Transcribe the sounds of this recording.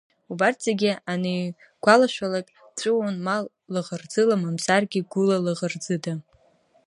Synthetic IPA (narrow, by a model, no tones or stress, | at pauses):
ubartʰz̥eɡʲianɨ | ɡ̥ʷalaʃʷᶣalakʼ | t͡ɕʷʼɨwonmal | lɨʁərd͡zɨlamamsarɡʲiɡʷʊlalɨʁərd͡zɨda